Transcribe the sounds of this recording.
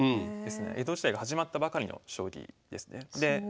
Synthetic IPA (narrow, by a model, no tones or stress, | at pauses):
ɯ̃d̪e̞sɨne̞̰ʔed̪o̞ːʑi̥t̪aiɡahaʑimat̪ːabakaɾʲino̞̰ɕo̞ːɾʲḭd̪e̞̰sɨ̥ne̞d̪e̞